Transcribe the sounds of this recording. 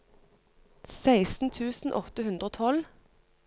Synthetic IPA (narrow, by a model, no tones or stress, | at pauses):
sæɪsn̩t̪ʰʉːsn̩ʔɔt̪əhʉnd̪ʁoːt̪ʰɔl